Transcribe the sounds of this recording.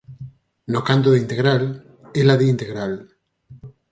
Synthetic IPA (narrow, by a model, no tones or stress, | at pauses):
nokant̪̬oðint̪eɣɾal | elaðeint̪eɣɾal